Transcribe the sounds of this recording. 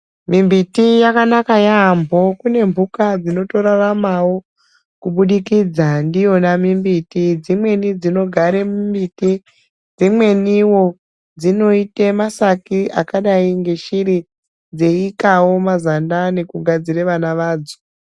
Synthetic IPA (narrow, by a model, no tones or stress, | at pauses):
mimbitijakanakajaːmbʱo̞kune̞mbʱukad͡zino̞to̞ɾaramawo̞ | kuɓuɗikiːd͡zandijo̞namimbitid͡zimwe̞nid͡zino̞ɡʱaɾe̞mimbiti | d͡zimwe̞niwo̞ | d͡zino̞itemasakiʔakaɗaiŋɡe̞ʃiɾi | d͡ze̞ikawo̞mazandane̞kuɡʱad͡ziɾeʋanaʋaːd͡zo̥